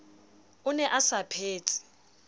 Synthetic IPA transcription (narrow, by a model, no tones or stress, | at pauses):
ʊnɛʔasapʰeːt͡sʼi̥